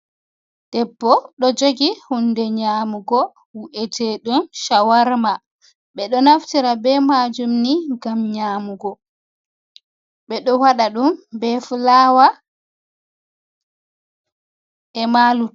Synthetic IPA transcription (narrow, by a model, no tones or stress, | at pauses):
d̥ɛbːɔɗɔd͡ʒoɡihundɛɲaːmuɡɔ | wuʔɛtʰeɗumʃawaɾma | ɓɛɗɔnaftiɾabɛmad͡ʒumniɡamɲaːmuɡɔ | ɓɛɗɔwaɗaɗumbɛfulawa | ɛmaːlu